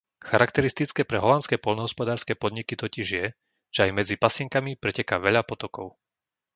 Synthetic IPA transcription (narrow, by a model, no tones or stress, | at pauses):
xaɾakt̪ɛɾist̪it͡skɛːpɾɛɦɔlant͡skɛːpɔʎnɔɦɔspɔd̪aːɾskɛːpɔd̪ɲikit̪ɔciʒjɛ | ʒ̥ɛajmɛd͡zipasɪŋkamipɾɛcɛkaʋɛʎapɔt̪ɔkɔʊ